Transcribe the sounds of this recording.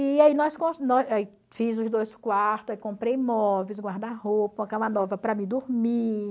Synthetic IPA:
iainɔskõsnɔai | fizʊzd̪ojskwaɾt̪ʊzaikõpɾejmɔves̬ɡwaɾd̪ahopɐũɐ̃kãmɐnɔvɐpɾɐmɪd̪uɾmi

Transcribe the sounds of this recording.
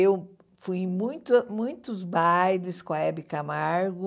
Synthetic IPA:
ew | fuj̃mũj̃t̪ɐmũj̃t̪ʊzbajd̪ɪskõɐɛbɪkamaɾɡʊ

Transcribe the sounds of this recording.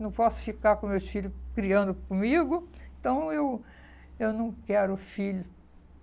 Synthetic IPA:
nɐ̃w̃pɔsʊ̥fikaɾkõmewsfiʎʊkɾiɐ̃nd̪ʊkõmiɡʊẽt̪ɐ̃w̃ew | ewnɐ̃w̃kɛɾʊfiʎʊ

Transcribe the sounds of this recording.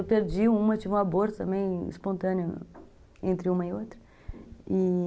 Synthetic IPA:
wpeɾd͡ʒiũmɐt͡ʃivũaboɾt̪t̪ɐ̃mẽj̃ḭspõnt̪ɐ̃nɪʊ | ẽnt̪ɾɪũmɐɪot̪ɾɐ | i

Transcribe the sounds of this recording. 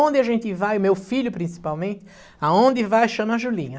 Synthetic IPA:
õnd̪ɪaʒẽnt̪ɪvajʊmewfiʎʊpɾĩsi̥pawmẽnt̪ɪ̥ | aõnd̪ɪvajʃɐ̃nɐʒulĩɲɐ

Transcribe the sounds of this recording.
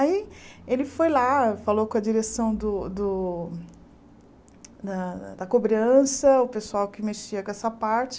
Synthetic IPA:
aielɪfojlafalokõɐd͡ʒiɾesɐ̃w̃d̪ʊd̪ʊ | d̪ɐd̪ɐkobɾɐ̃sɐʊpesuawkɪmeʃiɐkɛsɐpaɾt͡ʃɪ̥

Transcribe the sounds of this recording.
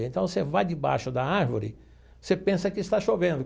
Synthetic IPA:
ẽnt̪ɐ̃w̃sevajd̪ɪba̰jʃʊd̪ɐaɾvo̰ɾɪ̰ | sepẽsɐkɪst̪aʃovẽnd̪ʊ

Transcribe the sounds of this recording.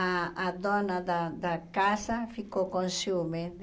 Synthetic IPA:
aad̪ɔnad̪ad̪akasafikokõnsume

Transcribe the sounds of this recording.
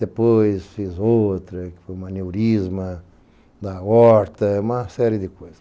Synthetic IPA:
d̪epojsfizowt̪ɾɐkɪ̥fojumɐnewɾizmɐ | d̪aɔɾt̪ɐumɐsɛɾjɪd̪ɪkojzɐ

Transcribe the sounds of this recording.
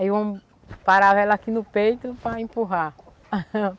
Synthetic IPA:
aivɐ̃w̃ | paɾavɛlakinʊpejt̪ʊpɾɐẽpuɦã

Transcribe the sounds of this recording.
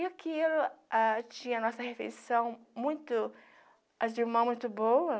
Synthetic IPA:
iɐkielʊat͡ʃĩɲɐnɔsɐhefḛjsɐ̃w̃ | mũj̃t̪ʊ | ʔaziɾmɐ̃mũj̃t̪ʊbowɐ

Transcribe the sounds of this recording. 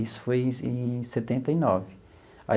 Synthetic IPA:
isʊ̥fojẽset̪ẽnt̪ɐinɔvɪ | a̰

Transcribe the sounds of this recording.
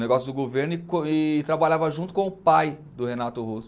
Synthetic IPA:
neɡɔsjʊd̪ʊɡoveɾnʊɪkõɪt̪ɾabaʎavɐʒũt̪ʊ̥kõʊpajd̪ʊhenat̪ʊhos

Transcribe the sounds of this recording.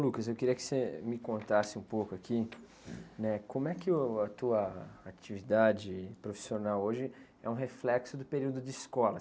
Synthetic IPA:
lukɐzewkɪɾiɐkɪ̥semɪkõnt̪asɪũpowkʊakʰi | nɛkʰõmʊɛkɪʊɐt̪uɐat͡ʃivid̪ad͡ʒɪpɾofi̥sionawoʒɪ | ɛ̰ũɦeflɛksʊd̪ʊpeɾiwd̪ʊd͡ʒɪiskɔlɐ

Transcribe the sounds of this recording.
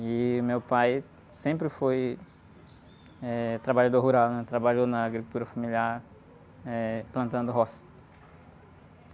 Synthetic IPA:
ɪmewpaj | sẽmpɾɪfoj | ɛt̪ɾabaʎad̪oɾɦuɾawnɛt̪ɾabaʎonɐːɡɾikult̪uɾɐfamiliaɾ | ɛplɐ̃nt̪ɐ̃nd̪ʊɦɔst̪

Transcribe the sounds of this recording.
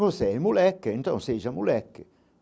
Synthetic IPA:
osɛjmulɛkːeint̪ɔ̰ŋseʒamulɛkːe

